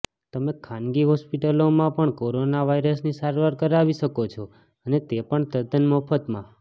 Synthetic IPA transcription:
t̪əmekʰãnɡiɦɔspiʈəlomãpəɳkoɾonaʋaiɾəsnisaɾʋaɾkəɾaʋiʃəkot͡ʃʰo | ənet̪epəɳt̪əd̪ənmɔfʰət̪mã

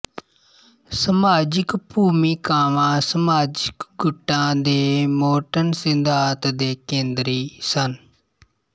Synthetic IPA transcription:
səmaːd͡ʒɪkpuːmiːkaːʋãːsəmaːd͡ʒɪkɡʊʈːãːd̪eːmoːʈənsɪnd̪ʱaːt̪d̪eːkẽːnd̪ɾiːsən

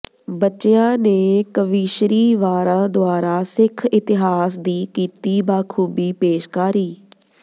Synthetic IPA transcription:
bətːʃɪãːneːkəʋiːʃɾiːʋaːɾãːd̪oaːɾaːsɪkʰɪt̪ɪɦaːsd̪iːkiːt̪iːbaːkʰuːbiːpeːʃkaːɾiː

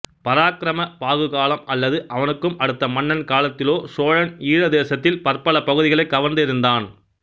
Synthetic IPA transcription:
pɐɾaːkɪɾɐmɐpaːɣɯɣaːlɐmɐlːɐðɯʔɐʋɐnɯkːɯmɐɽɯt̪ːɐmɐɳːɐnkaːlɐt̪ːɪloːsoːɻɐniːɻɐðeːsɐt̪ːɪlpɐɾpɐɭɐpɐɣɯðɪɣɐɭɐɪkːɐʋɐnd̪ɪɾɯnd̪aːn

